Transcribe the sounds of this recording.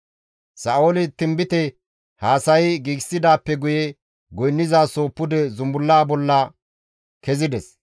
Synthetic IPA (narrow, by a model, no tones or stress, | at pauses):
sɐːoːlɪt̪ɪmbɪt̪ɛ | haːsɐjɡiːɡsːɪd̪aːpːɛɡʊjɛ | ɡɔjnːɪzaːso̞ːpːʊd̪ɛzʊmbʊlːaːbɔlːɐ | kɛzɪd̪ɛs